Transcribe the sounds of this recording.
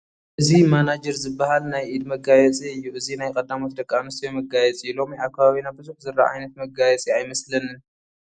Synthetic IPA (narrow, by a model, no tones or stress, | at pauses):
ʔɨzimanad͡ʒɛɾzɨbːahalnajʔid̪mɐɡajɛt͡sʼiɨjːuʔɨzinajkʼɐd̪amot̪̚d̪ɐkʼːamɨst̪ʰijomɐɡajɛt͡sʼilo̞miakʰːaβaβinabɨzuhzɨrːa̰ʔa̰jnɐt̪mɐɡajɛt͡sʼiajmɐslɐnɨn